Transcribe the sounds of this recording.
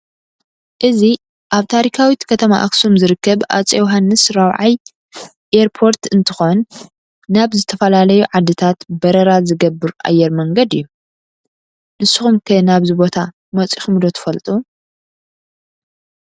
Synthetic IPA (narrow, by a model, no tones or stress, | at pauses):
ʔɨzi | ʔaβt̪ʰaɾikʰawit̪kʰɐt̪ʰɐma̰ʔa̰ksumzɨɾɨkːɐβʔa̰t͡sʼɛwɦanːɨsɾawʕaj | ʔeɾpʰo̞ɾt̪ɨnt̪ʰɨ̥xo̞nː | aβzɨt̪ʰɐfɐlalɐjuʕad̪ːɨt̪ʰat̪bɐɾɐɾazɨɡɐbːɨɾʔʼa̰jɛɾmɐŋɡɐd̪ɨjːu | nɨsɨxumkʰɨnaβzɨbo̞t̪ʰa | mɐt͡sʼixmd̪o̞t̪ʰɐ̥fɐlt̪ʼu